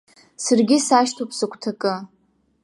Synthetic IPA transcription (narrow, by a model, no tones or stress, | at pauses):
sarɡʲɪsaʃtʰopʰsɨkʷʰtʰakʼɨ